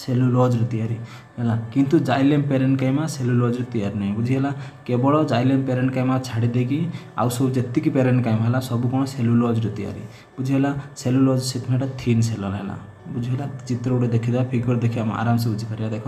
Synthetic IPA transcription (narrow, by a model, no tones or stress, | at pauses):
selulɔd͡ʒɾit̪iaɾi | ɦɛlakint̪ud͡ʒajlempeɾɛɳʈkajmaselulɔd͡ʒɾit̪iaɾinaj̃bud͡ʒʱiɦɛlakebɔɭɔd͡ʒajlempeɾɛɳʈkajmawt͡ʃʰaɽid̪ekia̰wsɔbud͡ʒet̪ːikipeɾɛɳʈkajmɦɛlasɔbukɔɽ̃ɔselulɔd͡ʒɾit̪ia̰ɾḭ | bud͡ʒʱiɛlaselulɔd͡ʒsit̪ʰmɛ̃ʈat̪ʰinsɛlɔlaɦɛ̰la̰ | bud͡ʒʱiɦɛlat͡ʃit̪ɾɔuʈed̪ekʰid̪apʰikbɔɽd̪ekʰijama̰a̰ɾams̬ɛbud͡ʒʱipʰɛɾjad̪ɛkʰɔ